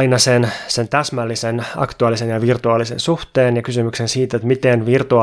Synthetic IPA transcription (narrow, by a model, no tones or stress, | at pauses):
inɑsensent̪æsmælːisenɑ̰kt̪uɑlːisenjɑʋirt̪uɑlːisḛnsuht̪eːnjɑkysymyksensiːt̪et̪mit̪enʋirt̪uɑ